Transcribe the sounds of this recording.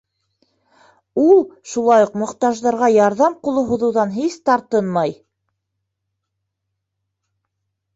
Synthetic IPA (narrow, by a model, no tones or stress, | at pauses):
ulˠʃulˠɑjuqmŏχt̪ɑʒðɑɾʁɑjɑɾðɑmqŏlˠoɦŭðɤ̆wðɑnɦist̪ɑɾt̪ɤnmɑj